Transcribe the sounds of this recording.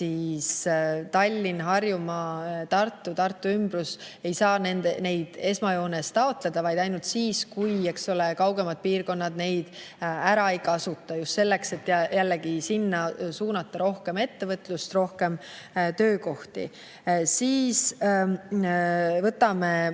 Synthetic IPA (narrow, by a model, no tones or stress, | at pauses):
siːst̪ɑlʲːinɦɑrjumɑt̪ɑrt̪ːˑut̪ɑrt̪ˑːuymbruse̞jsɑːne̞nd̪ene̞jd̪̥e̞smɑjo̞ːne̞st̪ɑo̞t̪le̞d̪̥ɑvɑjd̪̥ɑjnult̪siːskuje̞kso̞le̞kɑwɡ̥e̞mɑd̪̥̚piːrko̞nːɑd̪̥ne̞jd̪̥æɾɑejkɑɑsut̪ˑːɑjust̪se̞lːe̞kse̞t̪ːˑjjælːeɡ̥isinːɑsuːnɑt̪ːɑɾo̞hke̞me̞t̪ːe̞vɤt̪lust̪ro̞hke̞mt̪ø̞ːko̞ht̪ḭ | siːs | vɤt̪ːˑɑme̞